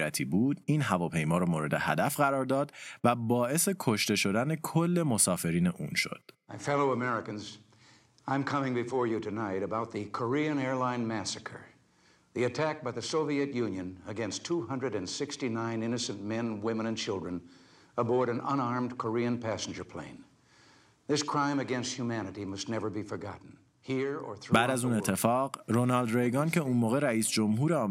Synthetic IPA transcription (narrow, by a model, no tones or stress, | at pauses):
æt̪ʰiːbuːd̪iːnɦævɒːpʰe̞jmɒːɾɔːmoːɾe̞d̪e̞hæ̰d̪æfɢæɾɒːɾd̪ɒːd̪væbɒːe̞se̞kʰo̞ʃt̪e̞ʃo̞d̪ænekʰolːe̞mo̞sɒːfe̞ɾiːne̞ʔuːnʃo̰d̪̥maɪfɛlˠoʊəmɛɹɨkɨ̃nz | ãɪ̃mkʰʌmɪ̃ŋbɨfɔɹjɨɾɨnaɪɾɨbaʊt̪̚ðɨkʰə˞iɨ̃nɛɹlãɪ̃nmæsɨkʰə˞ | ðiɨtʰæk̚b̥aɪðɨsoʊviɨtjʉ̃njɨ̃nəɡɛ̃nstʰuhʌ̃ndɹɨɾɨ̃nsɪkstinãɪ̃nɪnɨsɨ̃nmɛ̃nwɪ̃mə̃ñɨ̃nt͡ʃʰɪlˠdɹɨ̃n | əbɔɹɾɨ̃nə̰̃ñɑɹmdkʰə˞iɨ̃npʰæsn̩d͡ʒə˞pʰl̥ḛ̃ɪ̃n | ðɪskʰɹ̥ãɪ̃mɨɡɛ̃nst̚hjumænɨɾimʌstⁿnɛvə˞bifə˞ɡɑ̰ʔn̩ | hiɹə̰˞θɹbæːd̪æzũnet̪ʰːefɒːɡɾonɑld̪ɾejɡɑnceũnmoːɣeɾæiːsd͡ʒomɦuːɾeɒː